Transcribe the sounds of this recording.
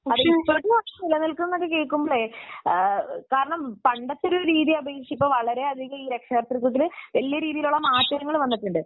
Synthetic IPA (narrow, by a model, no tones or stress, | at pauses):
ɐðɨipːoʈːumɐɐmilːɐnilkunːɐnːɐkːɨkeːkːumboɭe | kaːɾɐɳɐmpɐɳɖɐt̪ːoɾoɾiːðiɐbʱeːʂipːoːʋɐɭɐɾe̞ɐd̪ʱiɣɐmiːɾekʂɐɣɐrt̪rikːuʈːilʋɐlːijɐɾiːðijiluɭːɐmaːtːɐɾɐŋːɐɭʋɐnːiʈːuɳɖɨ